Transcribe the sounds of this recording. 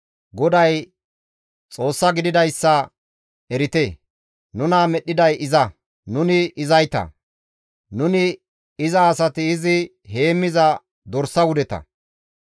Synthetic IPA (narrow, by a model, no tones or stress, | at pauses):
ɡɔd̪ɐj | t͡sʼo̞ːsːɐɡɪd̪ɪd̪ɐjsːɐ | ɛɾɪt̪e | nʊnɐmɛɗːɪd̪ɐjʔɪzɐ | nʊnɪɪzɐjt̪ɐ̰ | nʊnɪ | ɪzɐːsɐt̪ɪːzɪ | ɦe̞ːmːɪzɐ | d̪ɔɾsːɐwʊd̪ɛt̪ɐ̰